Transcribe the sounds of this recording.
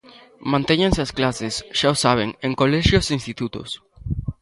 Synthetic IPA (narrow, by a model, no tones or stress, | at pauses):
mãnt̪eɲẽnseasklasɪsʃaosaβ̞eŋẽŋkolɛʃjoseinst̪it̪ut̪ʊ̰s